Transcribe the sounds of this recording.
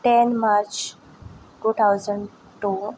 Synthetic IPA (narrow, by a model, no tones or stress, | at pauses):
ʈɛnmaɾt͡ʃ | ʈuːt̪ʰawzəɳɖ | ʈu